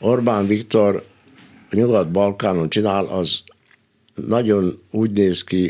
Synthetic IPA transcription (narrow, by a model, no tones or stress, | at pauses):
orbaːnʋikt̪or | ɲuɡɒt̪̚bɒlkaːnont͡ʃinaːlʔɒz | nɒɟo̞nuːɟneːski